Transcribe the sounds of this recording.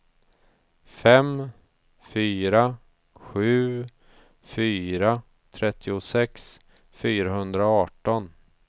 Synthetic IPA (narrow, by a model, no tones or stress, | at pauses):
fɛm | fyːɾa | ɧʉ̟ː | fyːɾa | t̪ʰɾɛt̪ʰːɪʊsɛks | fyːɾaɦɵnd̪ɾaɑːʈɔn